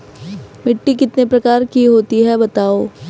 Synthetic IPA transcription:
mɪʈːikɪt̪nepɾɐkaːɾkiɦoːt̪iɦɛbɐt̪aːoː

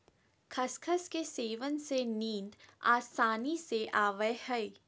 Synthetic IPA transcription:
kʰɐskʰəskeseːʋənsenĩːnd̪a̰ːsaːniseʔaːʋəjhɛi

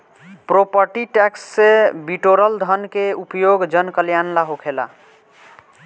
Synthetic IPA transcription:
pɾopəɾʈiʈɛksːebiʈoɾəld̪ʱənkeupjoɡd͡ʒənkəljanlaɦokʰela̰

